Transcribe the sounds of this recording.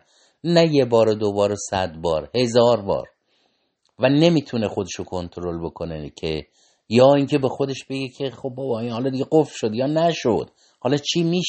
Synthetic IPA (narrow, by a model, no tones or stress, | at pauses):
næjebɒːɾod̪obɒːɾosæd̪bɒːɾhe̞zɒːɾbɒ̰ːɾ | væne̞miːt̪ʰunexo̞d̪eʃokʰo̞nt̪ʰoɾo̞lbo̞kʰo̞necʰe | jɒːiːŋcʰe̞be̞xo̞d̪e̞ʃb̥e̞ɡecʰe̞xob̚ːɒːbɒiːnhɒlɒːd̪iɡɟeɡofʃo̞d̪jɒːnæʃo̰d̪̥ | hɒːlɒːt͡ʃʰiːmiːʃ